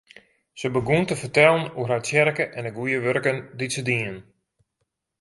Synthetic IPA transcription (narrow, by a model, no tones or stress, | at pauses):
səbəɡuntəfərtɛlˠənurɦasjɛrkəʔɛnəɡujəʋørkənditsədiən